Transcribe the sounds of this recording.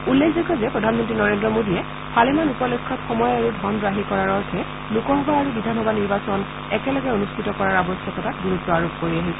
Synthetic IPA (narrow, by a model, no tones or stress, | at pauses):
ulːekʰzɔkɔzɛpɹɔdʱanmɔntɹinɔɹendɹɔmodijɛ | pʰalɛmanupɔlekʰːɔtxɔmɔjaɹudʱɔnɹaɦikɔɹaɹɔɹkʰɛ | lukɔɦɔbaaɹubidʱanɔbaniɹbasɔn | ɛkɛlɔɡɛonustʰitɔkɔɹaɹabɔsjɔkɔtakɡuɹutːɔaɹob̚koɹiaɦisɛ